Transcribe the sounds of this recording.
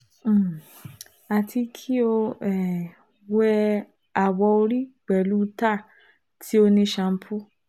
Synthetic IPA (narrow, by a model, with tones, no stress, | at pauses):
a˨ti˧kʰi˦o˧ɛ˨ | wɛ˦˧ | a˨wɔ˧o˧ɾi˦ɡ͡bɛ˨lu˦˧ta˦˨ | tʰi˦o˧nĩ˧ʃã˨˧m̩˦pʰu˦